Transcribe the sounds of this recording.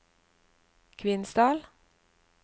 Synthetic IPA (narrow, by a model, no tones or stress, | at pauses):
kʰʋɪnsd̪ɑːl